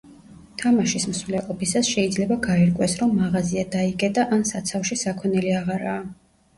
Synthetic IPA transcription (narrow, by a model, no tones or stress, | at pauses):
t̪ʰamaʃismsvlɛqʼɔpʰisasʃɛid̪zlɛbaɡaɛɾkʼwɛsɾɔmːaʁaziad̪aikʼɛd̪ʼaʔansat̪sʰafʃisakʰwɔnɛliaʁaɾaː